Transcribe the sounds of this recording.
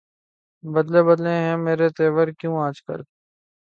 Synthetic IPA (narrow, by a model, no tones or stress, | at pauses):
bɐd̪lebɐd̪lẽɦɛ̃meːɾet̪eːʋəɾkjũːaːd͡ʒkə̰ɾ